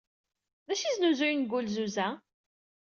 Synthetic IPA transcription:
ðæʃiznuzʊjnɡulzuzæ

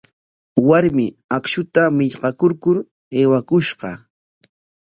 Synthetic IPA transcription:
waɾmɪakʃʊt̪amɪʎqɑkoɾkʊɾ | eːwakʊʃɢɑ

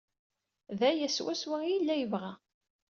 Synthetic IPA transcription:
ðæjæswæswæjəlːæjəvʁæ

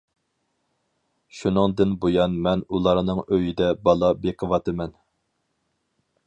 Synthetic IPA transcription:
ʃunɨŋd̪ɨnbojɑnmɛnulˠɑɾnɨŋøjid̪ɛbɑlˠɑbeqʰəvɑt̪ɨmɛn

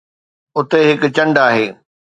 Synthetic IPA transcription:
ʊt̪eɦɪkʊ̆t͡ɕɐ̃ɳɖaːɦeː

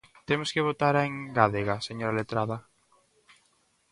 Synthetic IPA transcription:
t̪emoskeβot̪aɾeŋɡaðeɣaseɲoɾalet̪ɾaða

